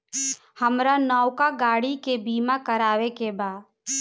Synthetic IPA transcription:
həmɾanɔːʊkaɡaːɽikebiːmãkəɾaːʋekebaːd̪

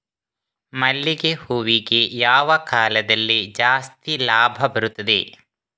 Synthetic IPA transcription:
mɐlːiɡehuːʋiɡejaːʋɐkaːlɐd̪ɐlːid͡ʒaːst̪ilaːbʱɐbɐɾut̪ːɐd̪ḛ

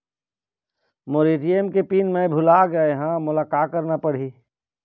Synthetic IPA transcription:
moɾiːʈijemkepiːnmẽbʱʊlaɡəeɦãmʊlaːkaːt̪̚kːəɾnapɐɽ̤i

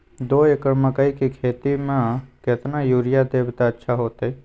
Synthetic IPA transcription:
d̪oːekəɾməkaikikʰeːt̪imãkɪt̪najuːɾɪjad̪eːbt̪aətːʃʰaɦoːt̪e

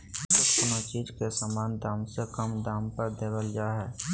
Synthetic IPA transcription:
sɪkpʊnat͡ʃiːd͡ʒkesaːmaːnd̪aːmsekəmd̪aːmpəɾd̪eːbəld͡ʒaːɦɛː

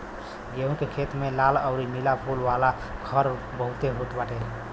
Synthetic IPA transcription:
ɡeɦũkekʰet̪melaləʊɾimilapʰulʋala | kʰəɾ | bəɦut̪eɦuʈbaʈe

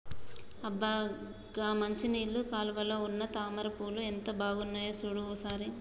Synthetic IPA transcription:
ɐbaː | ɡaːmɐɲt͡ʃiniːlːukaːluʋɐlːɐunːɐt̪aːmɐɾɐpuːluent̪ɐbʱaːɡunːaːjoːsuɽuoːsaːɾi

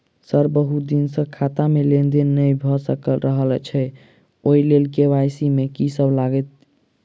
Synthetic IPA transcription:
səɾbəɦud̪insə̃kʰat̪amelend̪enːəjbʱɔsəkəlɾəɦəlt͡ʃʰɛ | oilelkeʋajsimekisəblaɡɛt̪̚

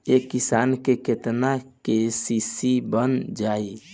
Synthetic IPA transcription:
ekisankeket̪nakesisibənd͡ʒai

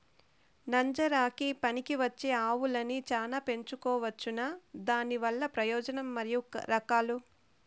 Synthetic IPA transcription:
nɐɲd͡ʒɐɾaːkipɐnikiʋɐt͡ʃːeːaːʋulɐnit͡ʃaːnaːpe̞ɲt͡ʃukɔːʋɐt͡ʃːunad̪aːniʋɐlːɐpɾɐjɔːd͡ʒɐnɐmːɐɾijṵɾɐkaːlu

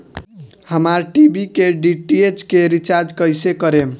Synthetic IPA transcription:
həmaɾʈibikeɖiʈiet͡ʃkeɾit͡ʃaɾd͡ʒkəjsekəɾem

